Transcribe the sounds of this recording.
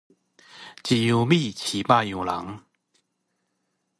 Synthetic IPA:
t͡ɕi˨˩ju˨˩mi˥˧˨t͡ɕʰi˨˩pa˥˩ju˨˩la̰˨˦ŋ

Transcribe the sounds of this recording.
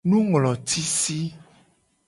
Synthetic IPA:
nũ˦ŋlɔ̃˨t̪ʰi˦si˦

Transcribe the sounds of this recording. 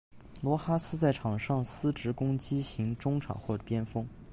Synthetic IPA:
lwɔ˧˥xa˥sɹ̩˥t͡sa˥˩ɪʈ͡ʂʰɑ˨˩ŋʂɑ˥˩ŋsɹ̩˥ʈ͡ʂɻ̩˧˥kʊ˥ŋt͡ɕi˥ɕi˧˥ŋʈ͡ʂʊ˥ŋʈ͡ʂʰɑ̰˨˩ŋxwɔ˥˩ʈ͡ʂə˨˩pjɛ˥nfɤ˥ŋ

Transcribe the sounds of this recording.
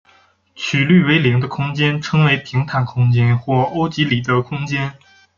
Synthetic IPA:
t͡ɕʰy˨˩ly˥˩we˧˥ɪli˧˥ŋd̪ə˧kʰʊ˥ŋt͡ɕjɛ˥nʈ͡ʂʰɤ˥ŋwe˧˥ɪpʰi˧˥ŋt̪ʰa˨˩nkʰʊ˥ŋt͡ɕjɛ˥nxwɔ˥˩o˥ʊt͡ɕi˧˥li˨˩d̪ə˦kʰʊ˥ŋt͡ɕjɛ˥n

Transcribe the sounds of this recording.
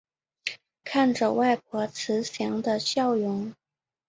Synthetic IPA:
kʰa˥˩nʈ͡ʂə˨˩wa˥˩ɪp̚ʰwɔ˧˥t͡sʰɹ̩˧˥ɕjɑ˧˥ŋd̪ə˧ɕjɑ˥˩ʊjʊ˧˥ŋ

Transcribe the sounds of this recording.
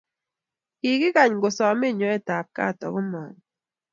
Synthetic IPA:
ki˨ɡɪ˦ka˨ɲɡo˨sɔ˨me˦˨ɲɔ˨˦ɛ˦˨ta˨p̚ka̰˦˨tɔ̰˨ɡʊ˦mɔ̰˨n

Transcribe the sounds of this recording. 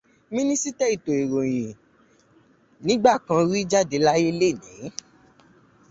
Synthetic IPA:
mĩ˦nĩ˦si˦tɛ˦˨i˨to˨e˨ɾo˨j̃ĩ˨ | nĩ˨˦ɡ͡ba˦˨kã˧ɾi˦d͡ʒa˦˨de˨˦la˦je˦le˦˨nḭ̃˨˦

